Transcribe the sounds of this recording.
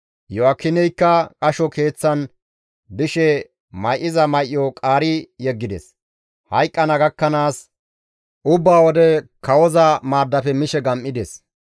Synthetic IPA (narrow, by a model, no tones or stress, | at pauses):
jɔɐkːɪnɛjkːɐkʼɐʃɔke̞ːt͡sːɐn | d̪ɪʃɛ | mɐjʔːɪzɐmɐjʔjɔkʼaːɾɪjɛɡːɪd̪ɛ̰s | hɐjkʼːɐnɐɡɐkːɐnaːs | ʔʊbːaːwɔd̪ɛkɐwɔzɐmaːd̪ːɐfɛmɪʃɛɡɐmʔɪd̪ɛs